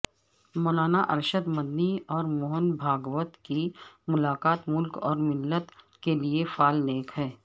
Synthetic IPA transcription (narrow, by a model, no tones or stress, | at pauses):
mɔːlaːnaʔɐ̰ɾʃəd̪mɐd̪niɔːɾmɔːɦənbʱaːɡwət̪kimʊlaːkaːt̪mʊlkɔːɾmɪlːət̪ | keliefaːlneːkɦɛː